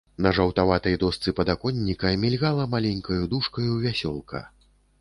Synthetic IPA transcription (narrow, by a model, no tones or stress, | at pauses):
nɐʐɐwt̪avat̪ɐjd̪ɔst̪sɨpɐd̪akɔnʲːikɐmʲilʲɣalˠɐmalʲɛnʲkɐjud̪uʂkɐjuvʲasʲɔlˠkʰɐ̰